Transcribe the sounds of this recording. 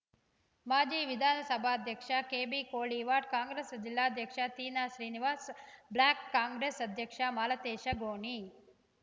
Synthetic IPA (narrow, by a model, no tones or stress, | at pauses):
maːd͡ʒiːʋid̪ʱaːnɐsɐbʱaːɐd̪ʱjɐkʂɐkeːbiːkoːɭiːʋaːɖ̚kaːŋɡɾeːsd͡ʒilːaːɐd̪ʱjɐkʂɐt̪iːnaːʃɾiːniʋaːsblaːkːaːŋɡɾeːsɐd̪ʱjɐkʂɐmaːlɐt̪eːʃɐɡoːɳi